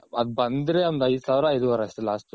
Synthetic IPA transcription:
ɐd̪̚bɐnd̪ɾeond̪ɐjd̪saːʋɾɐːjd̪uʋɐɾɐstelaːsʈu

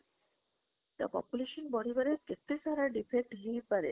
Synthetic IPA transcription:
t̪a̰pɔ̰puleʃonbɔɾibaɾeɾket̪ːeʃaɾaɖifek̚ʈɦiepaɾe

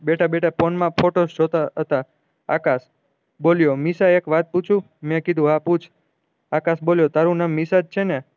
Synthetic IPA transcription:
beʈabeʈapɔnmãpʰoʈosd͡ʒot̪aɦət̪a̰ː | kas | boljomisaekʋat̪̚put͡ʃʰũ | mɛ̃kid̪ʱũɦaput͡ʃʰ | akasboljot̪aɾũnamːisad͡ʒt͡ʃʰene

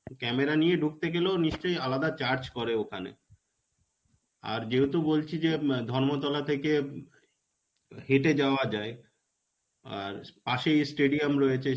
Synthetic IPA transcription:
kɛmeɾanijeɖʱuk̚t̪eɡelooniʃt͡ɕojalad̪at͡ɕaɾd͡ʑkɔɾeokʰanḛ | a̰ɾd͡ʑeut̪obolt͡ɕʰid͡ʑed̪ʱɔɾmot̪ɔlat̪ʰeke | heʈed͡ʑaoad͡ʑae | a̰ɾpaʃejsʈeɖiamɾɔjet͡ɕʰe

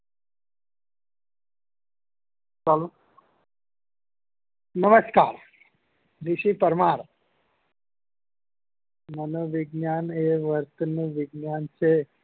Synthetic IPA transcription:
t͡ʃalo | nəməskaːɾ | d̪iʃipəɾmaɾ | mənoʋɪɡnaneʋəɾt̪ənuʋɪɡnjant͡ʃʰe

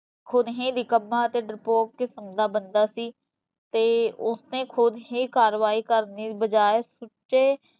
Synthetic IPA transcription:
kʰʊd̪ɦĩːd̪iːkəmːãːət̪eːɖɪɾpoːkkɪsəmd̪aːbənd̪aːsiː | t̪eːʊsnẽːkʰʊd̪ɦĩːkaːɾʋaːiːkəɾniːbəd͡ʒaːeːsʊʈt͡ʃeː

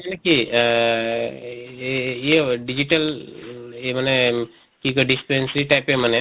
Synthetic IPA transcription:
aneki | jeɖid͡ʒiʈəl | eməne | kikoɖispensɾiʈajpeməne

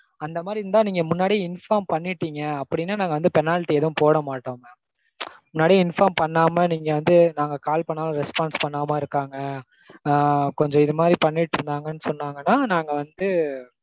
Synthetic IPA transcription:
ɐnd̪ɐmaːd̪ɾɪɾɯnd̪aːniːŋɡɐmʊnːaːɽiɪnfaːmpɐɳːɪʈːiːŋɡɐɐpːɐɽɪnːaːnaːŋɡɐʋɐnd̪ɯpɛnaːlɪʈːiɛðɐʋʊ̃poːɽɐmaːʈːoːmɐ | mʊnːaːɽiɪnfaːmpɐɳːaːmɐniːŋɡɐʋɐnd̪ɯnaːŋɡɐkaːlpɐɳːaːlɐ̃ɾɛspaːnspɐɳːaːmɐːɪɾɯkːaːŋɡɐ | kɔɲd͡ʒɔ̃ɪðɯmaːd̪ɾipɐɳːɪʈːɪɾɯnd̪aːŋɡɐnːɯsɔnːaːŋɡɐnːaːnaːŋɡɐʋɐnd̪ɯ

